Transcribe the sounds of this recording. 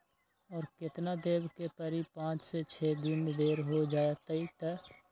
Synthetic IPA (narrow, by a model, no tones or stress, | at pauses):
ɔːɾkɪt̪nad̪eːbkepəɾipãːt͡ʃset͡ʃʰɛːd̪ɪnd̪eːɾɦod͡ʒaːjat̪əit̪ɛ